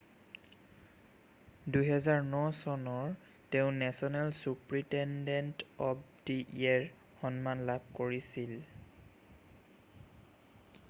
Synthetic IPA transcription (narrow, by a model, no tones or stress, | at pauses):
dujɦɛzaɹnɔsɔnɔɹ | teʊ̃nɛsɔnɛlsupɹitɛndɛntɔpdiʔiɛɹ | xɔnmanlab̚ʱkoɹisil